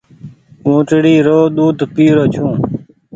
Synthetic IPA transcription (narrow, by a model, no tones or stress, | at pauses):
ũːʈɽiːɾoːɗ̪uːd̪ʱpiːɾoːt͡ʃʰũː